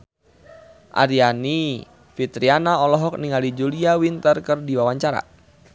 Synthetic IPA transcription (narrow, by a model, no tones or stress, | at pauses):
ʔa̰ɾiani | fit̪ɾianaɔlɔɦɔk̚niŋalid͡ʒuliawint̪ərkərdiwawaɲt͡ʃaɾa̰